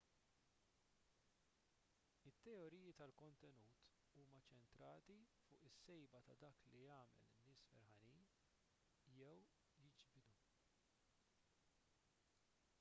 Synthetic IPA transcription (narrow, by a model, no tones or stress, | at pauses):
ɪt̪ːɛɔɾiːjit̪ɐlkɔnt̪ɛnuːt̪ | uːmɐt͡ʃɛnt̪ɾɐːt̪ifʊːʔɪsːɛjbɐt̪ɐd̪ɐːkliɐːmɛ̰lɪnːɪːsfɛ̰ɾħɐniːn | jɛw | jɪd͡ʒbɪd̪u